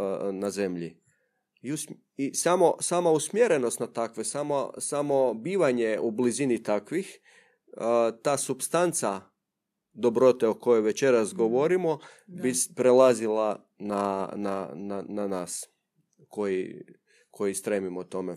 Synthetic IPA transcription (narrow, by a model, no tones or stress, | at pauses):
naze̞mʎḭ | ius | isamo̞samausmjeɾe̞nost̪nat̪akʋesamo̰samo̞biːʋaɲe̞ublizinit̪akʋix | t̪aːsupst̪ant̪sa | d̪o̞bɾo̞t̪e̞oko̞jojʋe̞t͡ɕe̞ɾasɡoʋoɾimo | bispɾelazila | nananananaːs | ko̞jḭ | kʰo̞jist̪ɾemimot̪o̞me